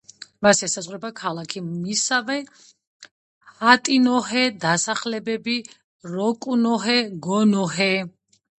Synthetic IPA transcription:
masɛsazʁwɾɛbakʰalakʰimisavɛ | at̪ʼinɔɦɛd̪asaχlɛbɛbi | ɾɔkʼunɔɦɛɡɔnɔɦɛ

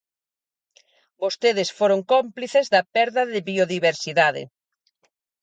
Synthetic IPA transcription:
bost̪eðɪsfoɾoŋkompliθezðɐpɛɾðɐðɪβioðiβeɾsiðaðɪ̰

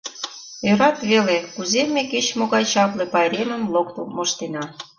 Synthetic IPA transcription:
jøɾɑt̪βelekuzemːeket͡ɕmoɣɑjt͡ɕɑplepɑɾemə̆mlokt̪omoʃt̪enɑ

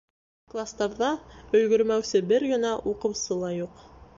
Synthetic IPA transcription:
klˠast̪ɑɾðɑɵ̆jɡɵ̆ɾmæwsɘbɘɾɡɘ̆næʔuqɤ̆wsɤlˠɑjuq

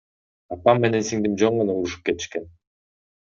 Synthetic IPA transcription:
ɑpɑmːe̞ne̞nsiŋd̪imd͡ʒoɴmonaulˠuʃu̥p̚ke̞t̪i̥ʃke̞n

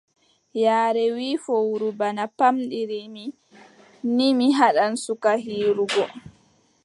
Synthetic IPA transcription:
jaːɾɛwiːfɔwuɾubanapamɗiɾimi | nimiɦaɗansukaɦiːɾuɡɔ

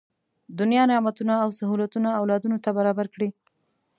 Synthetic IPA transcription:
d̪ʊnjɑnɪmat̪unaːwsaɦulat̪unaːwlɑd̪unot̪abaɾɑbaɾkɽi

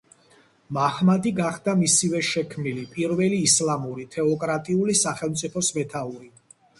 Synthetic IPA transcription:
maχmad̪iɡaχd̪amisivɛʃɛkʰmnilipʼiɾvɛliːslamuɾit̪ʰɛɔkʼɾat̪ʼiulisaχɛlˠmt̪sʼipʰɔsmɛt̪ʰauɾi

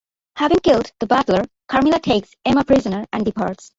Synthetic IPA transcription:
hævɪ̃ŋkɪldd̪̥əbæʈləɹ | kʰaɹmilaʈʰeɪksɛməpʰɹɪzənəɹʔæ̃nɖipʰaɹʈs

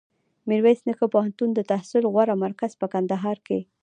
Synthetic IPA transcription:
miɾwajsnəkəpohant̪und̪ət̪ahsɪlɣwaɾamaɾkaz̥pəkand̪aɦɑɾke

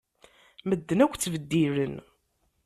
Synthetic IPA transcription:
məd̪ːənækʷːt͡sːvəd̪ːiɾən

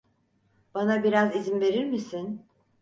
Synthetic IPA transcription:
b̥anabiɾazizinve̞ɾiɾmisin

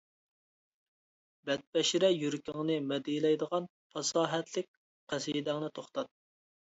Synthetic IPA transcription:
bɛt̪̚pɛʃiɾɛjyɾkʲiŋnɨmɛd̪ijlɛjd̪əʁɑn | pʰɑsɑːɦɛt̪lɪk̚ʲ | qʰæsijid̪æŋnɨt̪ʰoχt̪ɑt̪̚

